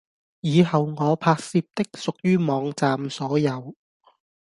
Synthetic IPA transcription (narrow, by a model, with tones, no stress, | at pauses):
jiː˨˧ɦɐ˨wŋɔː˨˧pʰaː˧k̚siː˧p̚t̪ɪ˥k̚sʊ˨k̚jyː˥mɔː˨˧ŋt͡saː˨msɔː˨˥jɐ˨˧w